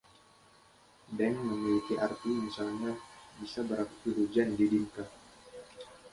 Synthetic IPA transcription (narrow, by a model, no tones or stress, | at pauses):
dɛŋməmilikiʔart̪imisalɲabisabəɾakut̪iɾud͡ʒandidink̪a